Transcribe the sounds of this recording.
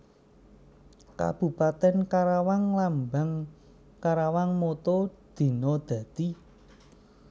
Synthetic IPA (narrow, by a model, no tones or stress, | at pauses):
ka̰b̥ṳpat̪ɛnkaɾawaŋlambaŋ | kaɾawaŋmot̪od̪̥i̤nɔd̪̥a̤d̪̥i